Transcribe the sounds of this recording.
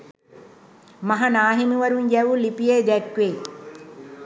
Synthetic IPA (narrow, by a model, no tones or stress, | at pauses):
maɦanaːɦimiʋɐɾuɲjɛʋulipijed̪ɛkʋe